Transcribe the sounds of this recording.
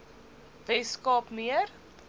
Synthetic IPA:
vɛskɑːpmiər

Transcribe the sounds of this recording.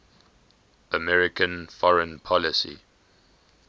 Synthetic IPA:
əmɛɹɪkʰə̃nfɔɹə̃npʰɔlɪsḭ

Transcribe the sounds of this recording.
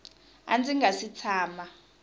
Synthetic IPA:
a̰nd͡zʱʼiŋɡʱasit͡sʰaːma

